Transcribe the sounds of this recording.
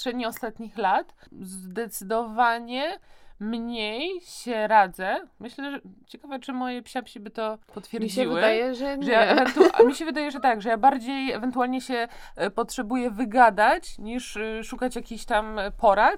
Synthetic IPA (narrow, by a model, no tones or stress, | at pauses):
ʂɛd̪ɲiɔst̪at̪ɲixlat̪zd̪ɛt̪sɘd̪ɔvaɲɛmɲejɕɛɾad̪zɛmɘɕlɛʐt͡ɕɛkavɛt͡ʂɘmɔjɛpɕapɕibɘt̪ɔpɔt̪fʲjɛɾmɾd͡ʑɛivwɘd̪ajɛʐɛʐɛjaɛvɛnt̪umʲiɕɛvɘd̪ajɛʐɛt̪aɡʐɛjabaɾd͡ʑejɛvɛnt̪ualɲɛɕɛpɔtʂɛbujɛvɘɡad̪at͡ɕɲiʂʂukat͡ɕjakʲiɕt̪ampɔɾa